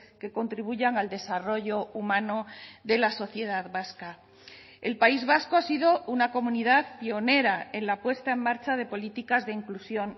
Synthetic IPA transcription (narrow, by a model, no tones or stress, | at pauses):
ke̞ko̞nt̪ɾiβ̞uʝaŋald̪e̞saro̞ʝo̞umãnoðe̞laso̞θje̞ð̞aðβaska | e̞lpaizβasko̞asiðo̞unako̞mũniðaðpio̞ne̞ɾae̞nlapwe̞st̪ae̞mmaɾt͡ʃað̞e̞po̞lit̪ikazðe̞iŋklusjo̞n